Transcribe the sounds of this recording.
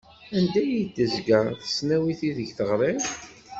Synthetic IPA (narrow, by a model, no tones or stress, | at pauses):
ænd̪æjid̪ːəzɡæθə̥snæwiθiðəʝθəʁɾˤem